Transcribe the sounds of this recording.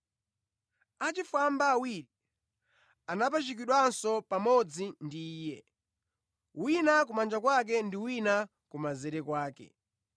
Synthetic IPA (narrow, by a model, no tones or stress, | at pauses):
at͡ʃifambaːwiɾi | anapat͡ʃik̬iɗwansɔpamɔd͡zindiːjɛ | winak̬umand͡ʒakwak̬ɛndiwina | kumazɛɾɛkwaːkɛ̰